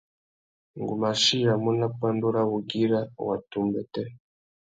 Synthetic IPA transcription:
ŋɡu˨ma˨ʃi˦ɾa˨mu˦na˦pa˦ndu˦ɾa˦βu˨ɡi˦ɾa˦wa̰˨tu˨mbɛ˦tɛ˦

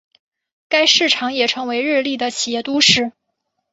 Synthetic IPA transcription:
ka˥ɪʂɻ̩˥˩ʈ͡ʂʰɑ˧˥ŋjɛ˨˩ʈ͡ʂʰɤ˧˥ŋwe˧˥ɪɻɻ̩˥˧li˥˩d̪ə˩t͡ɕʰi˨˩jɛ˥˩t̪u˥ʂɻ̩˥˩

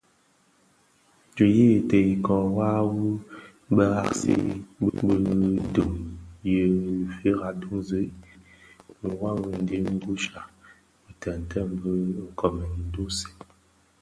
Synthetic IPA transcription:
d͡ʒu˨ji˦˨tə˨ji˨kɔ˨wa˦wu˦ | bə˦ɣa̰˦˨ksḭ˦bə˦du˨ŋjə˦˨fi˦ɣa˨du˦ŋzə˨˦ʔ | mə˨wa˦wu˦n̩˦di˦ŋ˦ɡu˦ʃa˨ | bə˨tə˨n˨tʰə˦˨m˦bə˦ŋ̩˨kɔ˨mɛ˨n˨˦du˦si̥˨

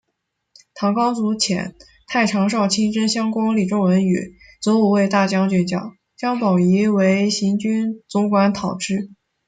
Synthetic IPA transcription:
t̪ʰɑ˧˥ŋkɑ˥ʊt͡su˧˥t͡ɕʰjɛ̰˨˩˦n | t̪ʰa˥˩ɪʈ͡ʂʰɑ˧˥ŋʂ̬ɑ˥˩ʊt͡ɕʰi˥nʈ͡ʂə˥nɕjɑ˥ŋkwa˥ŋli˨˩ʈ͡ʂʊ˥ŋwə˧˥ny̰˨˩˦ | t͡swɔ˧˥u˨˩we˥˧ɪt̪a˥˩t͡ɕjɑ˥ŋt͡ɕɥɛ˧˩t͡ɕjɑ̰˨˩ʊ | t͡ɕjɑ˥ŋpɑ˨˩i˧˥we˧˥ɪɕi˧˥nt͡ɕy˥nt͡sʊ˧˥ŋkwa˧˥nt̪ʰɑ˨˩ʊʈ͡ʂɻ̩˥˩

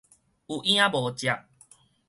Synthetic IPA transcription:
u˨˩ʔj̃ã˦bɔ˨˦t͡ɕja˨ʔ

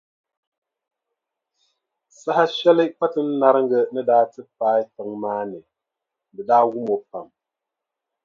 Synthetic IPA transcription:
sa˦ha˦ʃɛ˦li˦ʔk͡pa˦tɨ˦n̩˦na˦ɾɨ˦ŋ̩˦ɡə˦ʔnɨ˦daː˦tɨ˦paː˦jtɨ˨ŋmaː˦nɨ˨ | bɨ˨daː˦wu˦mo˨pa̰˨m

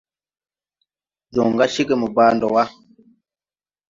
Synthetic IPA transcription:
zɔ˨ŋɡa˦ʃi˦kə˨mu˨baː˦ndɔ˨wa˦

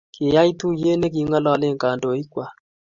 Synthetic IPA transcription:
kʰɪ˨ja˦i˦tu˦je˦ne˦ki˨˧ŋɔ˦lɔ˦˧le˦ŋka˨ndo˨i˦kwa˨

